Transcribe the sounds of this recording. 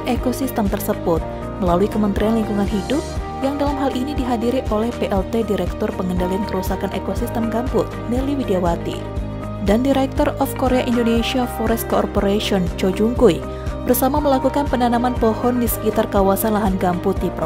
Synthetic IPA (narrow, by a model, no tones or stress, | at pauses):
nekosist̪əmt̪ərsəbʊt̪̚ | məlaluikəmənt̪ɾianliŋkuŋanɦidʊp̚ | jaŋdalamɦalʔinidiɦadiɾiʔolɛhpeʔɛlt̪ediɾɛk̚t̪ɔrpəŋəndaliankəɾusakanʔḛkosist̪əmɡampʊt̪̚niliwidiawat̪ḭ | dandiɾɛk̚t̪ɔrɔfkoɾeaʔindoneʃiafɔɾɛst̪̚koɔ̰rpoɾaʃiɔnt͡ʃɔd͡ʒuŋkuj | b̥ərsamaməlakukanpənanamanpɔhɔndisə̥kit̪arkawasanlaɦanɡampʊt̪̚dipɾ